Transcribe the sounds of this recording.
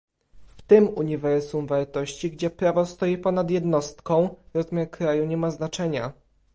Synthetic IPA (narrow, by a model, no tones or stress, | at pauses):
ft̪ɘmuɲivɛɾsumvaɾt̪ɔɕt͡ɕiɡd͡ʑɛpɾavɔst̪ɔjipɔnad̪jɛd̪nɔst̪kɔ̃w̃ɾɔzmʲjaɾkɾajuɲɛmaznat͡ʂɛɲa̰